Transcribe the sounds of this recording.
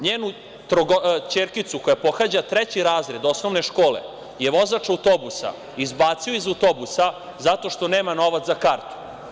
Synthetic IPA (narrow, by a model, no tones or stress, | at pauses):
ɲeːnu | t̪ɾoɡot͡ɕeːɾkit̪suko̞japo̞xad͡ʑat̪ɾɛt͡ɕiɾaːzɾe̞d̪osnoʋne̞ʃko̞ːlḛ | je̞ʋo̞zat͡ʂawt̪o̞busa̰ | izbaːt̪sioizawt̪o̞busa | zat̪o̞ʃt̪oneːmano̞ʋat̪zakaɾt̪u̥